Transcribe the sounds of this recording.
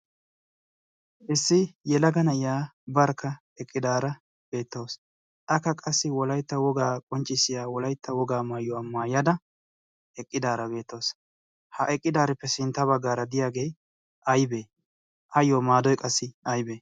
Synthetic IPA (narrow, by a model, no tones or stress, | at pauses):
ʔɪsːɪjɛlɐɡɐnɐɪjaːbɐɾkːɐ | ɛkʼːɪd̪aːɾɐ | b̥e̞ːt̪ːo̞ːs | ʔɐkːɐkʼɐsːɪwɔlɐjt̪ːɐwɔɡaːkʼɔnt͡ʃʼːɪsɪjaːwɔlɐjt̪ːɐwɔɡaːmajːɔɐmːaːjɐd̪ɐ | ɛkʼːɪd̪aːɾɐbe̞ːt̪ːo̞ːs | hɐʔɛkʼːɪd̪aːɾɪpːɛsɪnt̪ːɐbɐɡːaːɾɐd̪ɪjaːɡe̞ː | ʔɐjbe̞ː | ʔɐjoːmaːd̪ɔjkʼɐsːɪɐjbeː